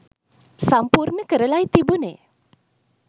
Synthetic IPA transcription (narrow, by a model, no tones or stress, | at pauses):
sampuɾnəkəɾəlajt̪ibunḛ